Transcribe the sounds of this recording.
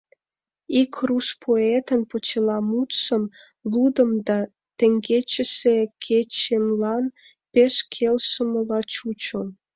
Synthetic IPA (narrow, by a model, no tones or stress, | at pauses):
ikruʃpʰoet̪ənpot͡ɕelɑmut̪ʃəm | lud̪əmd̪ɑ | t̪eŋɡet͡ɕəsekʰet͡ɕemlɑn | peʃkʰelʃəməlɑt͡ɕut͡ɕom